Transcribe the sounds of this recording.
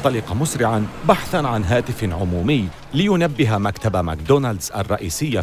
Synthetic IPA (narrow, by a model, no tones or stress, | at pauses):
t̪ˤːɑliːqɑmʊsɾɪʕanbaħθanʕanɦaːt̪ɪfʕʊmuːmɪjː | lɪjʊnabːɪɦamakt̪abamakd̪onald̪zʔa̰rˤːɑ̰ʔiːsɪjːa